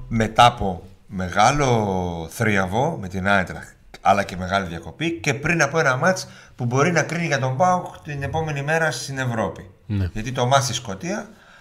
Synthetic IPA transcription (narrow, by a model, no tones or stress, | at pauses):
me̞t̪ɐpo̞ | me̞ɣɐlo̞θɾiɐvo̞met̪inɐet̪ɾɐ̰ | ɐ̰lɐce̞me̞ɣɐliðʝɐko̞pice̞pɾinɐpo̞e̞nɐmɐt͡s | pubo̞ɾinɐkɾiniʝɐt̪o̞mbɐukt̪ine̞po̞me̞nime̞ɾɐst̪ine̞vɾo̞pi | nʝɐt̪it̪o̞mɐst̪isko̞t̪iɐ